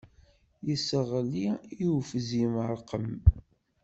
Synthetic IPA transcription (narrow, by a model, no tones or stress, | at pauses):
jəsəʁliiwfziməɾˤqəm